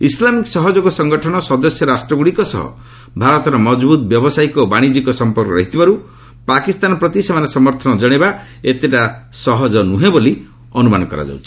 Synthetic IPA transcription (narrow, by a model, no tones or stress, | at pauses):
islamiksɔɦɔd͡ʒɔkusɔŋɡɔʈʰɔɽ̃ɔsɔd̪ɔsjɔɾasʈɾɔɡuɽikɔsɔ̰ɦɔ̰ | bʱaɾɔt̪ɔɾɔmɔd͡ʒbut̪̚bjɔbɔsajkɔbaɽ̃id͡ʒikɔsɔmpɔɾkɔɾɔɦit̪ʰibaɾu | pakist̪anɔpɾɔt̪isemanesɔmɔɾt̪ʰɔnɔd͡ʒɔɽ̃eba | et̪eʈasɔɦɔd͡ʒɔnuɦẽboli | ɔnumanɔkɔɾa̰d͡ʒa̰wt͡ʃʰi̥